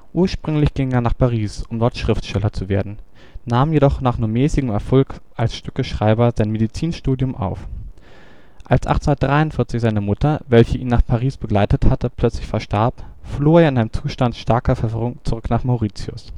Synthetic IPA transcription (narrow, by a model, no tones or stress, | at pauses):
ʔuːɐʃpʁ̥ʏŋlɪçɡ̥ɪŋeːɐnaːχpʰaʁiːsʔʊmdɔɐtʃʁ̥ɪftʃtɛlɐt͡suveːɐdn̩ | naːmjedɔχnaːχnuːɐmɛːsɪɡəŋ̩mɛɐfɔlkʔalsʃtʏkəʃʁ̥aɪbɐzaɪnmedit͡siːnʃtuːdjʊmʔa̰ʊf | ʔalsʔa̰χtndɐtd̥ʁaɪʊntfɪɐt͡sɪçz̥aɪnəmʊtɐvɛlçəʔiːnːaːχpʰaʁiːsb̥əɡlaɪtəthatəpʰl̥œt͡slɪçfɛɐʃtaɐpfloːeːɐɪnaɪnəmt͡suːʃtantʃtaɐkɐfɛɐvʁʊŋt͡suʁʏknaːχmaʊʁiːt͡sjʊ̰s